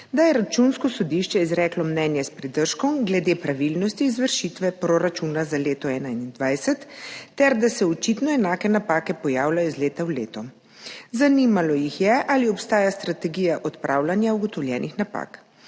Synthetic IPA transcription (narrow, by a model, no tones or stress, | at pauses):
d̪ajɛɾat͡ʃunskɔsɔd̪iʃt͡ʃɛizɾɛːklɔmnɛnjɛspɾid̪əɾʃkɔmɡlɛd̪eːpɾaʋilnɔst̪iːzʋəɾʃit̪ʋɛpɾoɾat͡ʃuːnazaleːt̪ɔɛːnainnd̪ʋajsɛt̪ːɛɾd̪asɛɔt͡ʃit̪nɔɛnaːkɛnapaːkɛpɔjaːwlʲajɔzleːt̪awlḛːt̪ɔ | zanimalɔjixjɛʔaliɔpst̪aːjast̪ɾat̪ɛɡijaʔɔt̪pɾʔaːwlanjauɡɔt̪ɔwlʲjɛːnʔixnapa̰k